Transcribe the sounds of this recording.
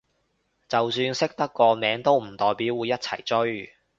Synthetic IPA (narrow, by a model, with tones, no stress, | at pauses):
t͡sɐ˨wsyː˧nsɪ˥k̚t̪ɐ˥kːɔː˧mɛː˨˥ŋt̪o˥wm̩˨˩t̪ɔː˨jpiː˨˥wːuː˨˧jɐ˥t̚t͡sʰɐ˨˩jt͡ʃɵ˥ɥ